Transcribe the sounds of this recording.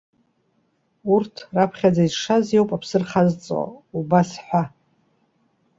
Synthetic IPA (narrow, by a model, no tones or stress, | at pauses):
urtʰrapʰχʲad͡zaizʂazjowpʼapʰsɨrχazt͡sʼo̰ubasħʷa